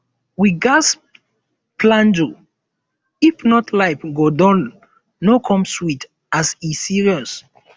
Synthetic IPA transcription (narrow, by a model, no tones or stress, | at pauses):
wiɡas | plãnd͡ʒu | ifnɔtʰlaɪpɡodɔ̃nː | okʰɔ̃mswit | asisiɹiɔs